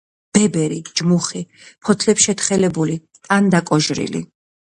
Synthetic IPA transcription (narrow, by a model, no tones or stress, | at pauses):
b̥ɛbɛɾid͡ʒmuχi | pʰɔt̪ʰlɛpsʃɛt̪χɛlɛbuli | t̪ʼand̪akʼɔʒɾḭlḭ